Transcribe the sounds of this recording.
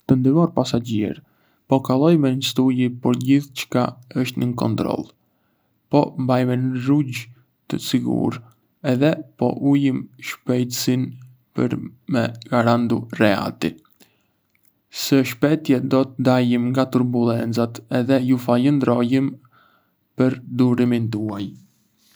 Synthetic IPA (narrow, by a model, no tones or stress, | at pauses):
t̪ənd̪ivɔɾpasad͡ʑḭɾ | pɔkalˠɔjmɛnəst̪ujipɔɾɟiθt͡ʃə̥kaəʃt̪nəkɔ̰nt̪ɾɔ̰lˠ | pɔmbajmɛnɾuɟ | t̪ə̰siɡṵɾ | ɛðɛpɔ̰ʔujimʃpɛjt̪əsin | pə̰ɾmɛɡaɾand̪urɛa̰t̪ḭ | səʃpɛt̪jɛd̪ɔt̪əd̪ajimŋɡat̪uɾbulˠɛnt͡sat̪ɛðɛjufaʎənd̪ɾɔjim | pəɾd̪uɾimint̪uaj